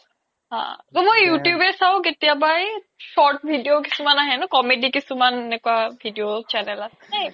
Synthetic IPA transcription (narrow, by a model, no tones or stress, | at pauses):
ɦã̰tomojjutjubɛsaʊ̃k̬etijabaj | sɔʈ̚bʱidijok̬isumanaɦɛnɔkɔmedikisumanenɛkʊwabʱidijot͡ʃɛnɛlasɛnaj